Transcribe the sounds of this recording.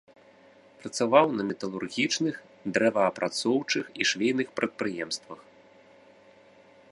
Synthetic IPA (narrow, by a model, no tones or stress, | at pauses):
pɾɐt̪savawnɐmʲɛt̪ɐlˠurɣʲit͡ʂnɨx | d̪ɾɛvɐːpɾʔat̪sɔwt͡ʂɨxiʂvʲejnɨxpɾɐt̪̚pɾɨjɛmst̪vɐx